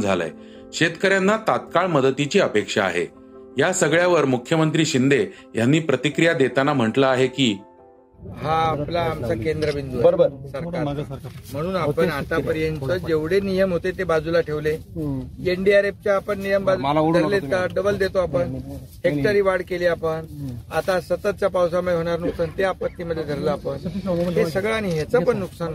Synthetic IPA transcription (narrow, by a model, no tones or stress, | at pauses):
d͡zʱalə̰j | ɕet̪kəɾjanːat̪at̪̚kaɭməd̪ət̪it͡ɕiːəpekʂa̰ːɦḛ | jasəɡɭjaʋəɾmukʰjəmənt̪ɾiːɕind̪e | janːiːpɾət̪ikɾijad̪et̪anam̤əʈləaɦekiː | ɦãːplaːmt͡sakend̪ɾəʋind̪uəəsəɾkaɾam̤əɽ̃uːnapəɳat̪apəɾijent͡səd͡ʑeʋɽenijəmɦot̪et̪ebad͡zulaʈʰeʋle | eɳɖiaɾep̚t͡ɕjaːpəɳːijəmbad͡z̪ʱəɾleəɖəbəld̪et̪oapəɳ | ɦek̚ʈəɾiːʋaɽkeliːapəɳa̰t̪asət̪ət̪̚t͡ɕjapaws̬aməd̪ʱeɦoɽ̃aɾnuksant̪eapət̪ːiməd̪ʱjed̪ʱəɾləapəɳɦ̪esəɡɭaːñiɦet͡səpəɳːuksan